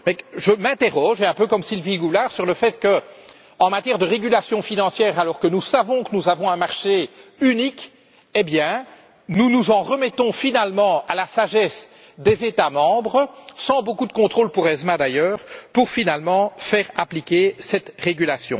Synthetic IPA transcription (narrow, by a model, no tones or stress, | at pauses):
mɛʒəmɛ̃t̪eʁɔʒɛ̃pøkɔmsilviɡulaʁsyʁləfɛt̪kə | ɑ̃mat̪jɛʁd̪əʁeɡʲylasjɔ̃finɑ̃sjɛːʁalɔʁkənusavɔ̃kənuzavɔ̃ɛ̃maʁʃeynik | ebjɛ̃ | nunuzɑ̃ʁəmɛt̪ɔ̃finalmɑ̃alasaʒɛs | d̪ezet̪amɑ̃bʁəsɑ̃bokud̪əkɔ̃t̪χoːlpuʁɛzmad̪ajœːʁpuʁfinalmɑ̃fɛːʁaplikʲesɛt̪ʁeɡylasjɔ̰̃